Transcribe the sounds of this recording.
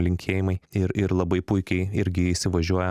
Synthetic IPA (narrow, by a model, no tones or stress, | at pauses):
lʲɪŋʲkʲʰeːjɪmɐɪɪɾɪɾlˠɐbɐɪpʊɪkʲɛɪɪɾʲɡʲɪiʃʲsʲɪʋɐʒʲuɔjɛ